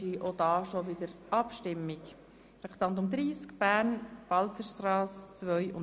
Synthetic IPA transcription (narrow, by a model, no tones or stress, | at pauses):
iʔod̥̪ɑːʃoʋɪd̥̪əɾʔɑpʃtɪmːik | ɾɛkt̪ɑnt̪ʊmd̪ɾiːskb̥æːɾnv̥ɑlt͡səɾʃtɾɑːst͡sʋœjʔʊ̰n